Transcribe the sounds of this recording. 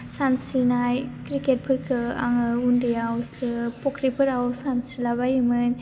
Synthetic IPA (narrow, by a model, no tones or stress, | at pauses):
sansinajkɾiket̚pʰɯɾkʰɯa̰ŋɯundijawsɯpɔkɾipʰɯɾawsansilaβajɯmɯn